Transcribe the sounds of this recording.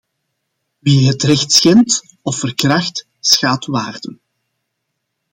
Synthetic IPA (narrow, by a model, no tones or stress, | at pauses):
ʋiɦətrɛxtsxɛmt | ɔfərkrɑxt | sxaːtʋaːrdən